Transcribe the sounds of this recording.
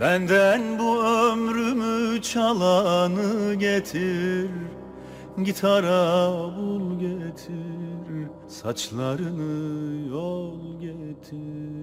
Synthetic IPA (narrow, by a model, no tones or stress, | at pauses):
b̥ænd̪ænbuømɾymyt͡ʃʰalˠanɯɟet̪ʰiɾ | ɟit̪ʰaɾabulˠɟet̪ʰiɾ | sat͡ʃlˠaɾɯnɯjɔlˠɟet̪ʰi